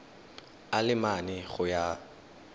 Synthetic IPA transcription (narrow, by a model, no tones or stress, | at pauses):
alɪmanɪɣʊja